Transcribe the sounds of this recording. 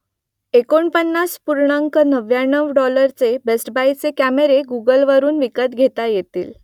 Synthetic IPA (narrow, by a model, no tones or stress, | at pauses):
ekoɳpənːaspuɾɳaŋkənəʋjanəʋɖɔləɾt͡sebesʈbajt͡sekæmeɾeɡuɡəlʋəɾuːnʋikət̪ɡʱet̪ajet̪ḭːl